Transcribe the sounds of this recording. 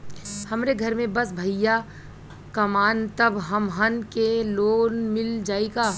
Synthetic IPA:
hɐmɾeɡʱɐɾmẽbɐsbʱɐja | kɐmaːnt̪ɐbɦɐmɦɐnkeloːnmɪld͡ʒaːiɡaː

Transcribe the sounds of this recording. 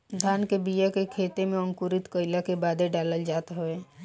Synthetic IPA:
d̪ʱaːnkebijakekʰeːt̪emẽə̃ŋkuɾɪt̪kəɪlakebaːd̪eɖaːləld͡ʒaːt̪aɦoeː

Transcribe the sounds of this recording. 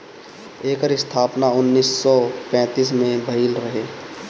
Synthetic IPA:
eːkəɾɪst̪ʰaːpnaʊnːiːsːɔpɛ̃ːt̪iːsmẽbʱəiːlɾɐɦeː

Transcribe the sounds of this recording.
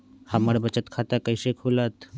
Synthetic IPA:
həməɾbət͡ʃət̪kʰaːt̪akəisekʰulat̪

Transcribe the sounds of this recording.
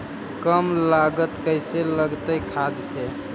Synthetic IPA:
kəmlaɡət̪kəɪseləɡt̪əjkʰad̪se

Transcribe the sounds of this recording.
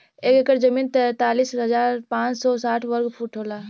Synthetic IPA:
eːkekəɾd͡ʒəmiːnt̪t̪aːlisɦəd͡ʒaːɾpãːt͡ʃsɔsaːʈʰʋəɾɡpʰuːʈʰoːla

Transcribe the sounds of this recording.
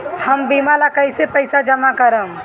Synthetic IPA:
həmbiːmalakəɪsepəɪsad͡ʒəmakəɾəm

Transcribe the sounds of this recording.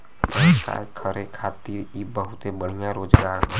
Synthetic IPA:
pəska̰jkʰəɾekʰaːt̪iːɾibəɦʊt̪ebəɽ̤ijãɾoːd͡ʒɡaːɾɦ

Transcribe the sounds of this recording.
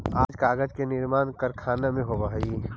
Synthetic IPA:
aːd͡ʒkaːɡəd͡ʒkenɪɾmaːnkəɾkʰaːnamẽɦobaɦi

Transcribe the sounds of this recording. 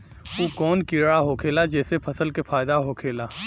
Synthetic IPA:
uːkɔːnkɪɾɽaɦokʰeːlad͡ʒɛːsepʰɐsəlkefʰaːɪd̪aɦokʰeːlaː

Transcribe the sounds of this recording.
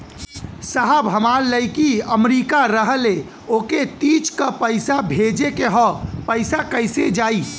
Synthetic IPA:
saɦəbɦəmaːɾləɪkiəmɾiːkaɾəɦəle | oːket̪iːt͡ʃkəpəɪsabʱeːd͡ʒekeɦɔpəɪsakəɪsed͡ʒaːiː

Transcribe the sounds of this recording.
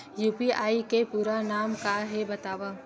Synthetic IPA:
juːpiʔaːikepuːɾanaːmkaɦebɐt̪aːʋaː

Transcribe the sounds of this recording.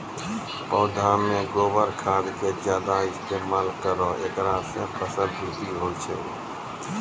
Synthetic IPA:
poːd̪ʱãːmẽːɡoːʋəɾkʰaːd̪keːd͡ʒjaːd̪aːɪst̪eːmaːlkəɾoːʔeːkɾãːsẽːpʰəsəldʱuːt̪iːɦoːt͡ʃʰeː

